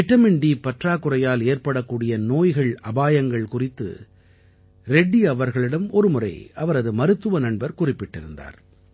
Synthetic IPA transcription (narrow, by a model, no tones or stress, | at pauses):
ɪʈːɐmɪɳɖipɐʈraːkʊrɐjaːleːɾpɐɽɐkːuːɽɪjɐnoːjɣɐɭɐbaːjɐŋɡɐɭkʊrɪt̪ːɯ̰ | ɾɛɖːiɐʋɐɾɣɐɭɪɽɐmɔɾɯmʊrɐ̰ɪɐʋɐɾɐðɯmɐɾɯt̪ːɯʋɐnɐɳbɐɾkʊrɪpːɪʈːɪɾɯnd̪a̰ːɾ